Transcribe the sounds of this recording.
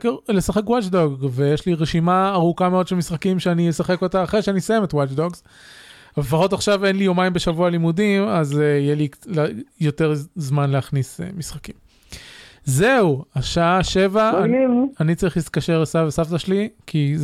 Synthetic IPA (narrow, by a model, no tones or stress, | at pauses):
kelesaχekwat͡ʃdoɡvejeʃliʁeʃimaːʁukameodʃelmisχakimʃeanijesaχe̞ko̞taːχʁejʃeanisajemetwat͡ʃdoɡz | avalefaχotaχʃave̞nlijo̞maimbeʃavualimudimazeijeliljoteʁzmanleaχnisḛmisχakim | zeuaʃaaʃe̞vaaanit͡saʁiχlitkaʃeʁlesavesaftaʃelikʰi